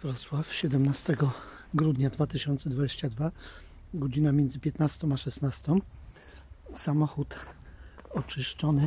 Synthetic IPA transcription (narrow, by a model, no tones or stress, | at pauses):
vɾɔt̪swafɕɛd̪ɛmnast̪ɛɡɔ | ɡɾud̪ɲad̪vat̪ɘɕɔnt̪sɛd̪vad͡ʑeɕt͡ɕad̪va | ɡɔd͡ʑinamʲjɛnd̪zɘpʲjɛt̪nast̪ɔ̃maʂɛsnast̪ɔ̃m | samɔxut̪ | ɔt͡ʂɘʂt͡ʂɔnɘ